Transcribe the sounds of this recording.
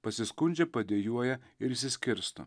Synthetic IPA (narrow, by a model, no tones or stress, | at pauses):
pɐsʲɪskʊnʲd͡ʒʲɛpɐd̪ʲeːjuɔjɛɪɾisʲɪsʲkʲɪɾst̪o̰